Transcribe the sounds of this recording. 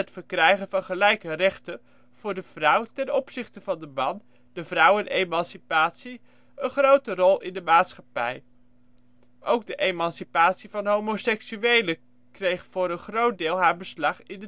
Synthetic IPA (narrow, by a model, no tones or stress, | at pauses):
ətfəɹkrɛjχənvɑnχəlɛjkərɛχtə | v̥ʊːɹdəv̥rʌwtɛnɔpsɪχtəvɑndəmɑn | dəvrʌwənʔejmɑnsipaːtsi | ənχrowtərɔlˠɪndəmaːtsχɑpɛ̰j | ʔowɡ̚dəʔejmɑnsipaːtsivɑnɦowmosɛksyʋejlə | krejχfʊːɾənχrowt̚dɪːlˠɦaːɹbəslɑχɪnə